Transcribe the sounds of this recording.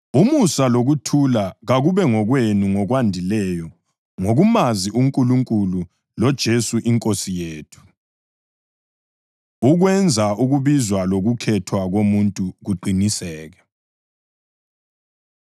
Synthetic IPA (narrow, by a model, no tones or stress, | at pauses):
umusaloɣutʰulaɣaɣuβɛŋɔɣwenuŋɔɣwandʱilɛjɔ | ŋoɣumaziʔuŋkʼuluŋkʼulu | lɔd̥ʒ̥ʱesuʔiŋkʼosijeːtʰu̥ | uɣwɛnd͡zʱauɣuβizwaloɣukʰɛtʰwaɣomuntʼuɣuǃinisɛːɣɛ